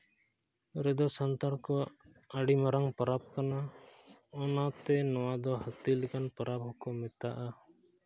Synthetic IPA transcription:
ɾɛd̪ɔsant̪aɽkɔ | əɖimaɾaŋpəɾab̚kana | ɔnat̪ɛnɔwad̪ɔhət̪ilɛkanpəɾabɦɔkɔmːɛt̪aʔa

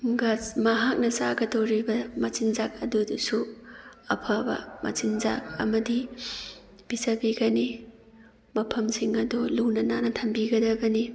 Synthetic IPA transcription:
ɡɐsmɐɦak̚nɐsaɡɐdowɾibɐmɐt͡ʃinzak̚ɐdudusuɐpʰabɐ̰mʔɐ̰t͡ʃinza̰k̚ɐ̰mɐdi | b̥isɐbiɡɐni | mɐpʰɐmsiŋɐdɔlunɐnanɐtʰɐmbiɡɐdɐbɐni

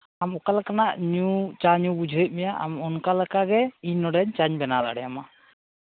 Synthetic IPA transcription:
amɔkalakanaʔɲut͡ʃaɲubud͡ʒʱuit̪̚ˀmɛjaʔa̰mɔnkalɛkaɡɛiɲnɔɖɛɲt͡ʃaɲbɛnala̰ɽɛjama

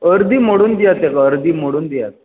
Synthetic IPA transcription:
əɾd̪ʱiːmoɽuːnd̪ijat̪akaəɾd̪ʱiːmoɽuːnd̪ija̰t̪̚

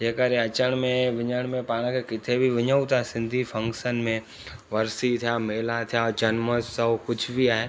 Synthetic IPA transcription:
d͡ʒeːkəɾeɐt͡ʃəɽ̃mẽʋɪɲəɽ̃mẽpaːɽ̃ãkʰekɪt̪ʰebʱiʋɪɲəũt̪asɪ̃nd̪ʱipʰɐ̃ŋkʃənmẽ | ʋɐɾsit̪ʰijameːlat̪ʰijad͡ʒɐnməssəkʊt͡ʃʰbʱiaːɦe

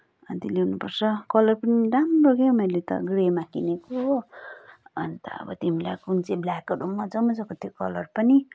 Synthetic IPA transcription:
ʌnt̪iliunupʌrt͡sʰʌkʌlʌrpʌniɾamroɡemeɾlet̪ʌ̰ɡremakineko | ʌ̰nit̪ʌ̰ʌ̰bʌ̰t̪imila̰jkunt͡seblakʌɖumːʌd͡zʌwmʌd͡zʌkot̪jokʌlʌrpʌni

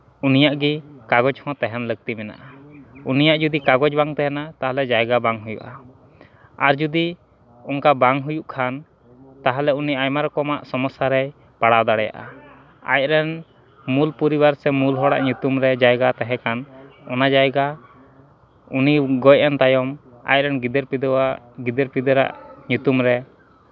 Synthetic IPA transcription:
unijaʔɡikaɡɔd͡ʒhɔ̃t̪ɛɦɛmləɡ̚t̪imɛna̰ʔaunijaʔd͡ʒud̪ikaɡɔd͡ʒbaŋt̪ɛɦɛnat̪aɦalɛd͡ʒajɡabaŋɦujṵʔa | aɾd͡ʒud̪i | ɔŋkabaŋɦujuʔkʰan | t̪aɦalɛuniajmaɾɔkɔmaʔsɔmɔsaɾɛ | paɽad̪aɽɛja̰ʔa̰ | a̰j̚ɾɛn | mulpuɾibaɾsɛmulɦɔɽa̰ʔɲut̪umɾɛd͡ʒajɡat̪aɦɛkanɔnad͡ʒajɡa | uniɡɔjant̪ajɔm | a̰j̚ɾɛnɡid̪ɛɾpid̪ | ɡid̪ɛɾpid̪ɾa̰ʔɲut̪umɾɛ

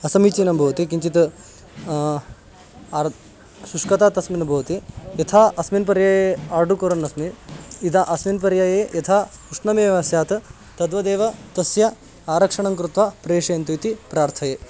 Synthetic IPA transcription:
ɐsɐmit͡ʃiːnɐmbʱɐʋɐt̪ikiɲt͡ʃit̪ | suʂkɐt̪aːt̪ɐsminɐbʱɐːɐt̪ijɐt̪ʰaːʔɐsminp̬ɐɾjajeaːɾɖukoɾɐnːɐsmiid̪aʔɐsminpɐɾjajeːjɐt̪ʰaːkuʂɳɐmeːʋɐsjaːt̪ʰ | t̪ɐd̪ʋɐd̪eːʋɐt̪ɐsjɐ | aːɾɐkʂɐɳɐŋkɾut̪ʋapɾeːʂɐjɐnt̪ujt̪ipɾaːɾt̪ʰɐjeː

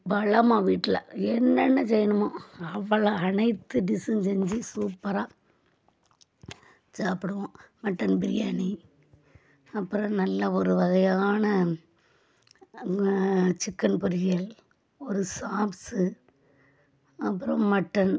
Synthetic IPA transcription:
bɐɭɐmaːʋiːʈːlɐ̰ɛnːɛnːɐsɛjɐnɯmaːɐʋːɐɭɐɐnɐɪt̪ːɯɖɪsɯnsɛɲd͡ʒisuːpːɐɾaː | d͡ʒaːpɪɽɯʋõmɐʈːɐnbɪɾɪjaːni | ɐpːɯɾɐ̃mnɐlːɐɔɾɯʋɐɣɐjaːnɐ | t͡ʃɪkːɐnpʊɾɪjɐl | ɔɾɯsaːpsɯ | ɐpːɯɾɐ̃mːɐʈːɐn

